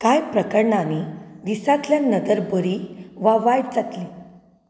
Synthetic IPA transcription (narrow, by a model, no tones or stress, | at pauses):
kajpɾəkəɾɳanid̪isat̪ljanəd̪əɾbəɾiʋaʋajɽd͡zat̪li